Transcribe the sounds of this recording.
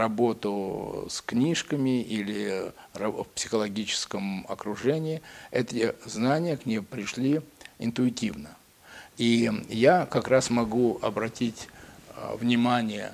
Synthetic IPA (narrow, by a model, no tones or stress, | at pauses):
rɐbo̞t̪ʊsknʲiʂkəmʲɪilʲɪrɐfpsʲɪ̥xəlˠɐɡʲit͡ɕɪ̥skəmɐ̰kɾʊʐɛnʲɪːɛt̪ʲɪznanʲɪjəknʲejpɾʲɪʂlʲiɪnt̪ʊɪtʲivnə | ijakɐkɾasmɐɡuɐ̰bɾɐtʲitʲ | vnʲɪmanʲɪjə̰